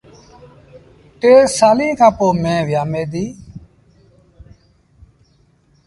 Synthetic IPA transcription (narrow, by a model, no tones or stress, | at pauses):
ʈeːsaːlĩːkʰãːpoːmẽːʋjaːmeːd̪iː